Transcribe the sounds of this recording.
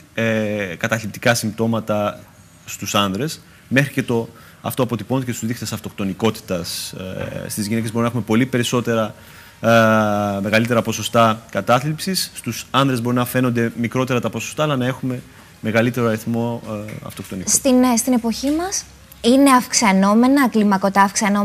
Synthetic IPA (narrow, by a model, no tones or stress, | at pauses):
kɐt̪ɐθlipt̪i̥kɐsimbt̪o̞mɐt̪ɐ | st̪usɐnðɾe̞s | me̞xɾice̞t̪o̞ | ɐ̰ft̪oɐpo̞t̪ipond̪ecest̪uzðixt̪e̞sɐft̪o̞kt̪o̞niko̞t̪i̥t̪ɐs | st̪izʝine̞cezbo̞ɾinɐexume̞po̞lipe̞ɾiso̞t̪e̞ɾɐ | me̞ɣɐlit̪e̞ɾɐpo̞so̞st̪ɐkɐt̪ɐθlipsisːt̪usɐnðɾe̞zbo̞ɾinɐfe̞no̞nd̪e̞mikɾo̞t̪e̞ɾɐt̪ɐpo̞sost̪ɐːlɐnɐe̞xume̞ | me̞ɣɐlit̪e̞ɾoɐɾiθmo̞ɐ̰ft̪o̞kt̪o̞nist̪inst̪ine̞po̞çimɐs | ine̞ɐfksɐno̞me̞nɐklimɐko̞t̪ɐːfksɐno